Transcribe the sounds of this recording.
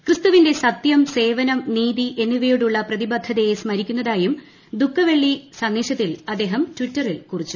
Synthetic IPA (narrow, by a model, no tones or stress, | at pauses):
krɨst̪uʋinde̞sɐt̪jɐmse̞ːʋɐnɐmniːðiʔe̞nːiʋɐjuɽuɭːɐprɐðibɐd̪ʱːɐðejesmɐɾikʲːunːɐðaːjum | d̪ukʰːɐʋe̞ɭːisɐnːiːʂɕɐt̪ːilɐd̪ːe̞ːɦɐmtʋitːɐrilkurit͡ɕːu̥